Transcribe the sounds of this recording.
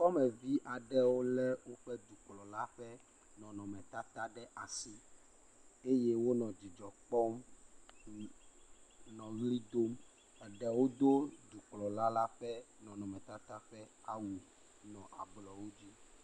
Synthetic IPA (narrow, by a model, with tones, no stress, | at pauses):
kɔ˦mɛ˨vi˦ʔa˨ɖɛ˦wo˦lɛ˦wo˦ɸɛ˦d̪u˨k͡plɔ˨la˦ɸɛ˦ | nɔ̃˨nɔ̃˨mɛ̃˨t̪a˦t̪a˦ɖɛ˦ʔa˨si˦ | e˦je˦wo˦nɔ̃˨d͡ʑi˨d͡ʒɔ˨k͡pɔ˦m | nɔ̃˨ɣli˦d̪o˦m | ɛ˨ɖɛ˨wo˦d̪o˦d̪u˨k͡plɔ˨la˦la˦ɸɛ˦nɔ̃˨nɔ̃˨mɛ̃˨t̪a˦t̪a˦ɸɛ˦a˦˨wu˨ | nɔ̃˨ʔa̰˨blɔ˨wo˦d͡ʑi˦